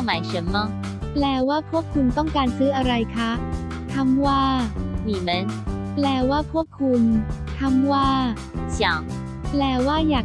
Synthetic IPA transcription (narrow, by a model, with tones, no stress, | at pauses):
ma˨˩˦jʂə˨˦nmma˥˩ | plɛː˧˩waː˥˩pʰu˥˩əp̚kʰːu˧nt̪ɔ˥˩ŋkaː˧nsɯː˦˥ʔa˧ɾa˧jkʰa˦˥ʔ | kʰa˧˥mwaː˥˩niː˨˩mə˨˦nplɛː˧˩waː˥˩pʰu˥˩əp̚kʰːu˧n | kʰa˧˥˩mwaː˥˩ | ɕja˨˩˦ŋ | plɛː˨˧˩waː˥˩jaː˨˩